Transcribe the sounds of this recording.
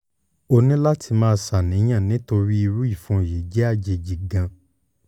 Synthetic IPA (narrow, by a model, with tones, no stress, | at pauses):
o˧nĩ˦la˦ti˧mãː˦˧sa˨nĩ˨˦j̃ã˦˨nĩ˨˦to˧ɾi˦i˧ɾu˦i˦˨fũ˧˦˨je˨˦d͡ʒɛ˦a˦˨d͡ʒe˧d͡ʒi˨ɡã˧